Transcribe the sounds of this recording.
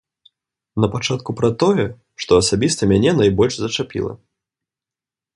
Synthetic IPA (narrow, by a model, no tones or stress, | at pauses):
nɐpat͡ʂat̪kupɾɐt̪ɔjɛ | ʂt̪ɔɐsabʲist̪ɐmʲanʲɛnɐjbɔlʲʐzɐt͡ʂapʲḭlˠɐ̰